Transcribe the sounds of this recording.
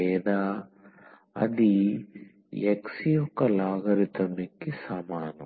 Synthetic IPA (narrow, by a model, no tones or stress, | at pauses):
eːd̪aː | ɐ̰d̪i | jeksijɔkːɐlaːɡɐɾit̪ɐmikːisaːmaːnɐ